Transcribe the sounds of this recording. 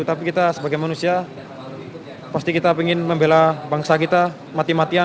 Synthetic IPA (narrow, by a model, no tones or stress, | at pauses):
ut̪apikit̪asəbaɡajmanusia | past̪ikit̪apiŋɪnməmbelabaŋsakit̪a | mat̪imat̪ia